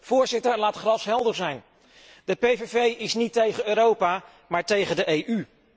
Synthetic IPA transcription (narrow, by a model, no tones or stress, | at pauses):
v̥ʊːɹzɪtəɹlaːtχrɑsɦɛlˠdəzɛjn | dəpejvevejɪsnitejχənøːɾowpaː | maːɹtejχəndəʔejʔy